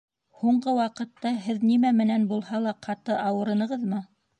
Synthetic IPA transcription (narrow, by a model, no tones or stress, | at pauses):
huɴɢɤwɑqɤ̆t̪ːɑɦɘðnimæmɘ̆nænbulˠhɑlˠɑqʰɑt̪ɤʔɑwɤ̆ɾɤ̆nɤ̆ʁɤðmɤ